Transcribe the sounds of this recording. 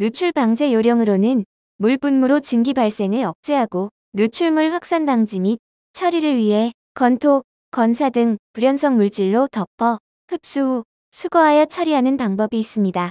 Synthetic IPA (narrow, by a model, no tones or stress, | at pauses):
nut͡ɕʰuɭbaŋd͡ʑe̞joɾjʌŋɯɾonɯn | muɭpunmuɾot͡ɕɯŋɡibaɭs͈e̞ŋɯɭʌk̚t͡ɕ͈e̞ɦaɡo | nut͡ɕʰuɭmuɭɸwak̚s͈andaŋd͡ʑimit̚ | t͡ɕʰʌɾiɾɯɭɥiɦe̞ | kʌntʰok | k͈ʌnsʰadɯŋpuɾjʌnsʰʌŋmuɭt͡ɕ͈iɭːotʌpʰʌ | ɸɯp̚s͈uu | sʰuɡʌɦajʌt͡ɕʰʌɾiɦanɯnpaŋbʌbiːs͈ɯmɲida